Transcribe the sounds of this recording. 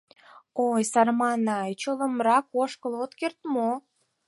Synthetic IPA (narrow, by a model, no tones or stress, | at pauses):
ojsɑrmɑnɑjt͡ɕoləmrɑkoʃkəlot̪kert̪mo